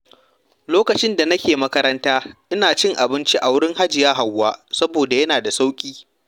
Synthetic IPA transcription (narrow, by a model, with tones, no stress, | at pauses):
loː˦kɐ˨t͡ʃɪ˦nda˨nɐ˦kʲeː˨mɐ˦kɐ˦ɾɐ˦ntaː˦ʔɪ˦naː˨t͡ʃɪ˦ŋʔa˨bɪ˦nt͡ʃi˦ʔa˨wʊ˦ɽɪ˦ŋɦa˦d͡ʒɪ˨jaː˦ɦa˨wːaː˦sɐ˦boː˨da˨jɐ˦naː˨da˨sa˦wkʲʼiː˦